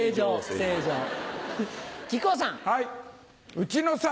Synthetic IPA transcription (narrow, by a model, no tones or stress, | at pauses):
d͡ʑoːseːd͡ʑoː | kʲikoːs̬ãŋhai | ɯ̟t͡ɕinosa